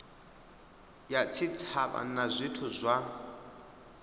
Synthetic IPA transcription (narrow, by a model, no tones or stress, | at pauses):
jat͡sʰit͡sʰaβa̰nazʷitʰuzʷa